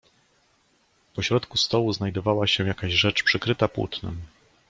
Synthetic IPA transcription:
pɔɕɾɔt̪kust̪ɔwuznajd̪ɔvawaɕɛ̃jakaʑʐɛt͡ʂpʂɘkɾɘt̪apwṵt̪nɘ̰m

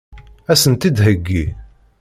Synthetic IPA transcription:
æsənt̪id̪ɦəɡːi

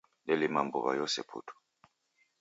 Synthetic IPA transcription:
lɛlimambuβa̰jɔsɛ̰pʰṵtʰu̥

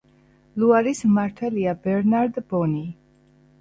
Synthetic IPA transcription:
luaɾismaɾt̪ʰɛliabɛɾnaɾd̪bɔni

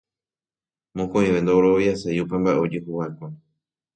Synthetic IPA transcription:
mõkõj̃ʋe̞nd̪ooɾojasajupe̞mbaʔeod͡ʒɨɦuhaekʷo

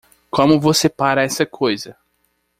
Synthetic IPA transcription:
kõmʊvosepaɾɐɛsɐkʰojzɐ

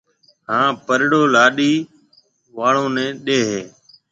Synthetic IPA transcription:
hãːpəɾɽoːlaːɗiː | ʋaːɳõːnɛ̃ːɗeːɦeː

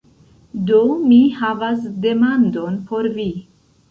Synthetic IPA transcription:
do̞mihavasde̞mando̞npo̞ɾvi

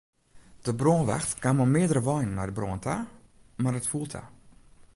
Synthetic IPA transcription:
d̥əbroːnʋaxtkaməmɪədərəʋɔjnːajdəbroːəntʰa | marətfulˠtʰa̰

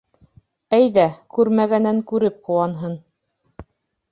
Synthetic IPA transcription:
æjðækʉɾmæɡænæŋkʉɾɘp̚qŏwɑnɦɤn

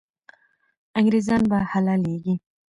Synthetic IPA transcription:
ãŋɡɾezɑnbahalaleɡi

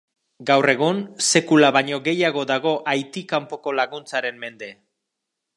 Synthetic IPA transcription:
ɡawre̞ɣ̞unse̞kulaβaɲo̞ɣe̞jaɣ̞o̞ðaɣ̞o̞ʔajt̪ikampo̞ko̞laɣunt͡saɾe̞mme̞nd̪e̞

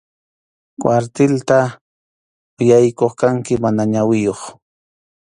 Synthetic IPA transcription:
kwaɾt̪ɪlt̪a | ʊjajkoχkaŋkɪmanaɲawɪjoχ

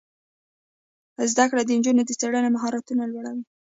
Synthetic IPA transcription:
zd̪akɽad̪ənd͡ʒunod̪ət͡saɽənamaɦɑɾat̪unalwaɽawi

